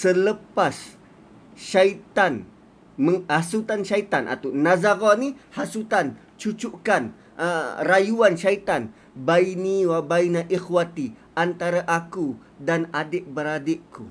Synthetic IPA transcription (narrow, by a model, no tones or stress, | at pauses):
sələpas | ʃait̪an | məhasut̪anʃait̪anʔa̰t̪awnazaɾɔnihasut̪an | t͡ʃut͡ʃuʔkan | ərajuanʃait̪an | bainiwabainaʔixwat̪iʔant̪aɾaʔaku | danadeʔbəɾadeʔku